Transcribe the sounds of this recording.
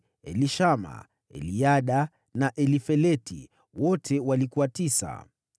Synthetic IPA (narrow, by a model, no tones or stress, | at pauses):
ɛliʃama̰ | ɛ̰liaɗa | naʔɛlifɛlɛtḭ | wɔtʰɛwalikuwatisa̰